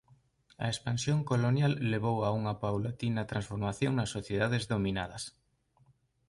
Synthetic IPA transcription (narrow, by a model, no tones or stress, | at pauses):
ɐ̰espansjoŋkolonjalːeβ̞owauŋɐpawlat̪inɐt̪ɾãnsfoɾmaθjoŋnɐsːoθjeðaðezðominaðɐs